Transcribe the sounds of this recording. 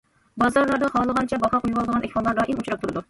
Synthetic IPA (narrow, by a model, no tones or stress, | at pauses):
bɑzɑɾlˠɑɾd̪ɑhɑːlˠəʁɑnt͡ʃʰɛbɑhɑqujuwɑlˠd̪əʁɑnʔɛkʲfɑnlˠɑɾd̪ɑʔimut͡ʃʰɾɑp̚t̪ʰuɾɨd̪u